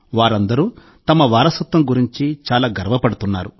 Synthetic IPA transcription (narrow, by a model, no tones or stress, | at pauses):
ʋaːɾɐnd̪ɐɾuː | t̪ɐmɐʋaːɾɐsɐt̪ʋɐmɡuɾiɲt͡ʃit͡ʃaːlaːɡɐɾɐʋɐpɐɽut̪unːaːɾu